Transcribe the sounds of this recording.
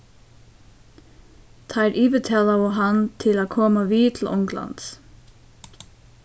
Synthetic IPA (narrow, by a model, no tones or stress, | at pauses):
t̪ʰɑɪɾʔiːʋət̪ʰɛːlɑəɦɑnt̪ʰɪlaːkʰɔːmaʋiːt̪ʰl̩ʔʊŋklɑ̰nt̪s